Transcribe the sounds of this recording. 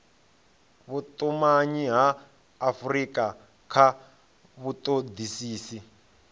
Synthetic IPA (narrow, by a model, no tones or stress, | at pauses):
βut̪ʼumaɲiɦaː | frika | kʰa | βut̪ʼod̪isiːsi